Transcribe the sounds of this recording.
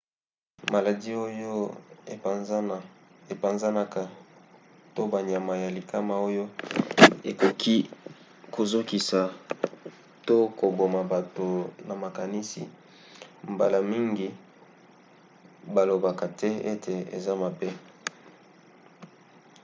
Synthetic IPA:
ma˨la˨di˦o˦jo˦˨˦ | e˨pa˨nza˦na˦ka˨ | to˦ba˨ɲa˨ma˨ja˨li˨ka˦ma˨o˦jo˦ | e˨ko˨kʰi˦ | ko˨zo˦ki˨sa˨ | to˦ko˨bo˨ma˨ba˨to˨na˨ma˨ka˨ni˦sḭ˨ | mba̰˨la˨mi˦ŋɡi˨ | ba˨lo˨ba˨ka˨tɛ˦e˦tʰe˨ḛ˨za˦ma˨bɛ˦

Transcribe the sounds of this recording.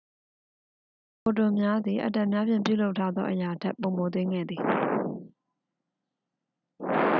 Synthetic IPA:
ko˨tõ˨mja˦d̪ði˨ʔə̰˨tã˨mja˦pʰjɪ̃˨mpjṵ˦˨lo˦ʊʔtʰːa˦d̪ðɔ̰˦ʔəja˨dɛ˦ʔpːõ˨mo˨t̪̬ɪ̃˦ŋɡɛ̰˦˨d̪ði˨

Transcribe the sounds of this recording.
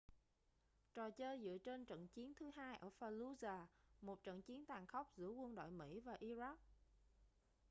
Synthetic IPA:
t͡ɕɔ˨˩t͡ɕəː˧jzɨ̰˧˨t͡ɕe˧nt͡ɕə̰˧˨nt͡ɕi˨˦ənt̪ʰɨ˨˦ɦaː˧jʔəː˧˩faː˧lu˧zaː˧˩mo˨˩t̚t͡ɕə̰˧˨nt͡ɕi˨˦ənt̪aː˨˩ŋxə˦˥wk͡p̚zɨ̰˧˥əkwə˧nɗo̰˧˨jmḭ˧˥vaː˨˩ʔi˧za˦˥k̚

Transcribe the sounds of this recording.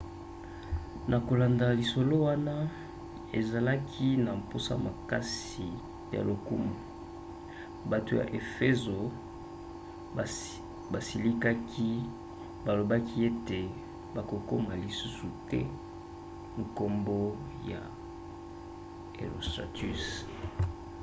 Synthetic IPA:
nʔa˨ko˨la˨nda˨li˨so˨lo˦wa˦na˦ | e˨za˨la˦kʰi˦na˨m˨po˦sa̰˦˨ma˨ka˦s | i˨ | ja̰˨lo˨ku˦mu˨ | ba˨to˨ja̰˨ʔe˨fe˦zo˨ | ba˨si˨li˦ka˦kʰi˦ | ba˨lo˨ba˦kʰi˦e˦te˨ | ba˨ko˨ko˦ma˨li˨su˦su˨tɛ̰˦ | ŋ̩˨ko˦mbo˦ | ja̰˨ | ḛ˨ʁo̰˨sta̰˨ty˦˨s

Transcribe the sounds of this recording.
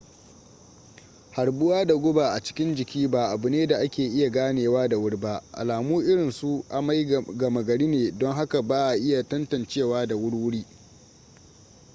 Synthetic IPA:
ha˨ɽbʊ˦waː˦da˨ɡʷʊ˦ba˨ʔa˨t͡ʃɪ̥˦kʲɪ˦nd͡ʒɪ˨kʲiː˦ba˨ʔa˨bʊ˨neː˦da˨ʔa˦kʲeː˨ʔɪ˦ja˨ɡaː˦neː˨waː˦da˨wʊ˦ɽba˦ʔa̰˨laː˨muː˦ʔɪ˦ɽɪ˨nsu˦ʔa˨ma˦jɡɐ˨mɐ˨ɡɐ˨ɽiː˦neː˨dɔ˦ŋɦa˦ka˨baː˦ʔa˨ʔɪ˦ja˨tɐ˦ntɐ˨nt͡ʃeː˦˨waː˦da˨wʊ˦ɽwʊ˦ɽiː˦

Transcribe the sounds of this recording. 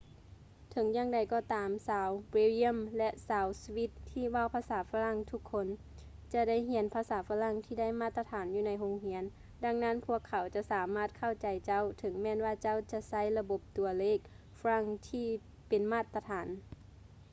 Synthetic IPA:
t̪ʰɤ˨˦ŋjaː˧˨ŋda˨˩jkɔː˧˩t̪aː˨˦msaː˨˦wwiː˧˥li˧a˧˥˨mlɛ˧ʔsaː˨˦wsi˧wi˧˥t̪ʰːiː˧˨ʋa˧˥˨wpʰaː˧saː˩˦faː˧la˧˥˨ŋt̪ʰu˧˦kʰːo˧˥˨n | t͡ɕa˧da˥˨jɦi˩˦npʰaː˧saː˨˩˦faː˧˥la˧˥˨ŋt̪ʰiː˧˩da˥˨jmaː˧˥˨t̪ːa˧t̪ʰaː˨˦njuː˧na˧jɦo˧ŋɦi˧˥ən | da˧˩ŋna˧˥˨npʰu˧˥˨əkʰːa˨˩˦wt͡ɕa˧˦ʔsaː˨˦maː˥˩t̪̚kʰa˧˥˩wt͡ɕa˨jt͡ɕa˧˥˨wt̪ʰɤ˩˦ŋmɛː˧˨nwaː˧˩t͡ɕa˧˥˨wt͡ɕa˧sa˧˥˨jla˧bo˧˦p̚t̪u˨˩ɐleː˧˩k̚ | fɾa˧˥˩ŋt̪ʰiː˧˩ | pe˨nmaː˧˥˩t̪ːa˧t̪ʰaː˨˦n

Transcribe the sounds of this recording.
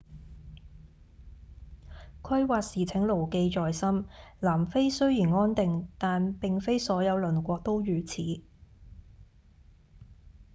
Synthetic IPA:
kʷʰɐ˥jwaː˧t̚siː˨˩t͡sʰɪ˨˥ŋlo˨˩wke˧jt͡ʃɔː˨jsɐ˥mlaː˨˩mfe˥jsɵ˥ɥjiː˨˩nŋɔː˥nt̪ɪ˨ŋt̪aː˨npɪ˨ŋfe˥jsɔː˨˥jɐ˨˧wlɵ˨˩nkʷɔː˧k̚t̪o˥wjyː˨t͡sʰiː˨˥˦

